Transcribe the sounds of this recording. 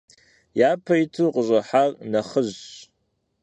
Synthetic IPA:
jaːpʰɐjitʰuqəɕʼɐħarnɐχəʑ

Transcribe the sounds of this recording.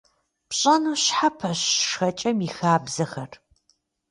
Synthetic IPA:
pɕʼɐnuːɕħapʰɐɕʂxɐt͡ʃʼɐmixaːbzɐxɐr

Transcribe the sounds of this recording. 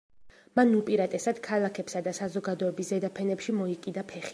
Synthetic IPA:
manupʼiɾat̪ʼɛsad̪̥kʰalˠakʰɛpsad̪asazɔɡad̪ɔɛbiszɛd̪apʰɛnɛpʃimɔikʼid̪apʰɛχi

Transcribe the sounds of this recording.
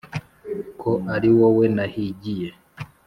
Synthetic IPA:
kʰoaɾiwowenahiɟije

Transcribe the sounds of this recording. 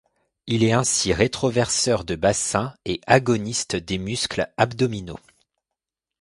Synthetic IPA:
ilɛɛ̃siʁet̪χɔvɛʁsœʁd̪əbasɛ̃eaɡɔnist̪d̪emysklabd̪ɔmino̰

